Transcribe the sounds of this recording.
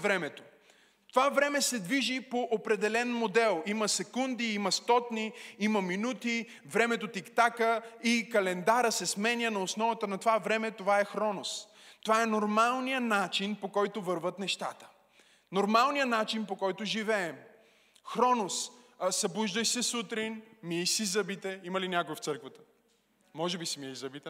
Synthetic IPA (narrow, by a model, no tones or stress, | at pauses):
vɾɛmɛt̪o̥ | t̪ovavɾɛmɛsɛd̪viʒipoʔopɾɛd̪ɛlɛnmod̪ɛlˠimɐsɛkund̪iimɐst̪ɔt̪niimɐminut̪i | vɾɛmɛt̪ot̪ikt̪akəikɐlɛnd̪aɾəsɛsmɛnʲənɐosnɔvət̪ənɐt̪ovavɾɛmɛt̪ovaɛxɾɔnos | t̪ovaɛnoɾmalˠnijənat͡ʃinpokɔjt̪ʊvəɾvət̪nɛʃt̪at̪ə̥ | noɾmalˠnijənat͡ʃinpokɔjt̪ʊʒivɛːm | xɾɔnossɐbuʒd̪əjsɛsut̪ɾinmiɛisizɐbit̪ɛimɐlinʲjakʊɛft̪sɤɾkvət̪ə̥ | mɔʒɛbisimiɛizɐbit̪ɛ